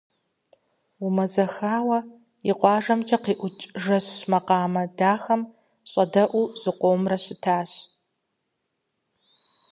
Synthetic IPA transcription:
umɐzɐxaːwɐ | iqʷɑːʒɐmt͡ʃʼɐqiːʔʷʊt͡ʃʼʒɐɕɕmɐqɑːmɐdaːxɐm | ɕʼɐdɐʔʷuːz̥ɨqʷoːmrɐɕɪtʰaːɕ

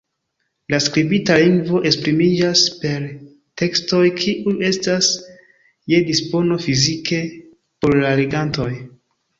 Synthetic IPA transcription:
laskɾibitaliŋɡvo̞ʔe̞spɾimid͡ʒaspe̞ɾ | te̞ksto̞jkʰiʔue̞stas | je̞dispo̞no̞fizike̞ | po̞ɾlaleɡanto̞j

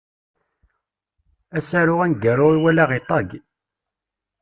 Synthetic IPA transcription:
æsæɾʊʁænɡaɾʊɾiwælaʁet̪ˤːɑɡ

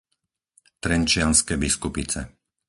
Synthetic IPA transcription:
t̪ɾɛnt͡ʃɪanskɛːbiskupit͡sɛ̰

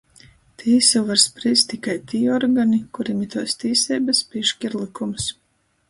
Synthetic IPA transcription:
t̪ʰiːsuvaɾspɾiːst̪ikajt̪iːɔɾɡanikuɾimit̪uɔst̪iːsɛːbaspʲiːʃkʲiɾlˠikums

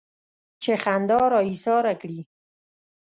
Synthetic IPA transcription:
t͡ʃexand̪ɑɾɑisɑɾakɽi

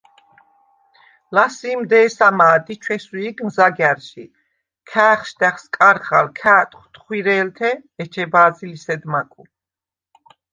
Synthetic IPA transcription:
lasiːmd̪ɛːsamaːd̪it͡ʃʰwɛsuiɡmzaɡaɾʃi | kʰaːχʃd̪aχskʼaɾχa̰lkʰaːt̪ʼχt̪ʰʼχwiɾɛːlt̪ʰɛɛt͡ʃʰɛbaːzilisɛd̪makʼu

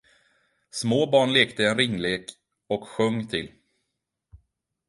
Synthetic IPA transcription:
smoːbɑːɳleːkt̪əɛnɾɪŋːleːk | ɔkɧɵŋːt̪ʰɪl

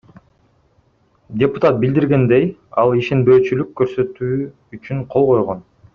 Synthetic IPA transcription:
dʲepu̥t̪at̪̚bild̪iɾɡe̞nd̪ejɑlˠiʃe̞nbø̞ːt͡ʃylykːø̞ɾsø̞t̪yː | t͡ʃyɴqʰo̞lˠʁo̞jʁo̞n

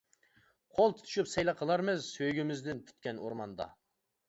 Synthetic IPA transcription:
qʰolˠt̪ʰu̥t̪ʰu̥ʃupsɛjlˠɑqʰəlˠɑɾmɪzsøjɡʲimɪzd̪ɪnpʰy̥t̪kʲɛno̰ɾmɑ̰nd̪ɑ̰

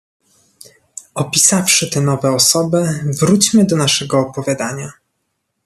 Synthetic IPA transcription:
ɔpʲisafʂɘt̪ɛnɔvɛɔsɔbɘvɾut͡ɕmɘd̪ɔnaʂɛɡɔːpɔvʲjad̪aɲa

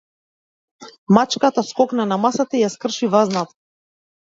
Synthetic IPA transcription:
mat͡ʃkat̪askɔknanamasat̪aijaskr̩ʃivaznat̪

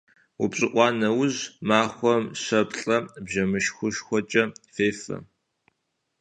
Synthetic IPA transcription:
ṵpɕʼɪʔʷʼɑːnɐwʊʑmaːχʷɔmɕɐpɬʼɐbʑɐmɨʃxʷʊʃxʷɔt͡ʃʼɐfeːfɐ̰

